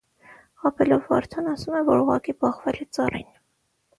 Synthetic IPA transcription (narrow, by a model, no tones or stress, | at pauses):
ɑpʰɛlɔvːɑ̰ɾt̪ʰɑnɑsumɛvɔɾuʁɑ̰kibɑχvɛlɛt͡sɑrḭn